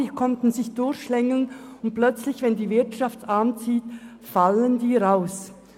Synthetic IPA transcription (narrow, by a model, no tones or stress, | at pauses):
kʰɔntn̩zɪçd̥ʊɐçʃlɛŋl̩nʊnt̚plœt͡slɪçvɛndiːvɪɐtʃaftaːnt͡siːt | faləndiːʁaʊs